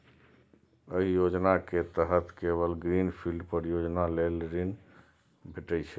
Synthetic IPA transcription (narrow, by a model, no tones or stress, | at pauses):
əɦijod͡ʒnaket̪əɦət̪keβəlɡɾinpʰilɖpəɾjod͡ʒnalelɾin | bʱeʈəjt͡ʃʰɛ